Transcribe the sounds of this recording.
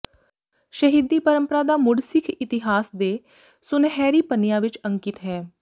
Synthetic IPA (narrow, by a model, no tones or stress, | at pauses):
ʃəɦid̪ːiːpəɾəmpəɾaːd̪aːmʊɖsɪkʰɪt̪ɪɦaːsd̪eː | sʊnɦɛːɾiːpənɪjãːʋɪt͡ʃəŋkɪt̪ɦɛː